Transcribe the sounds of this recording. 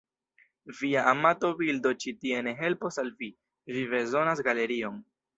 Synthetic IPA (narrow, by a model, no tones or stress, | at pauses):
viaʔamato̞bildo̞t͡ʃitie̞ne̞ɦe̞lpo̞salvi | viβe̞zo̞nas̬ɡale̞ɾio̞n